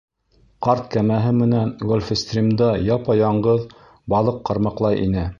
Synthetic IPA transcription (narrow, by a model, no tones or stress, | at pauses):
qɑɾt̪kæmæɦɘmɘ̆nænɡolʲfɘst̪rʲimd̪ɑjɑpɑjɑɴɢɤð | bɑlˠɤqːɑ̆ɾmɑqlˠɑjʔḭnɘ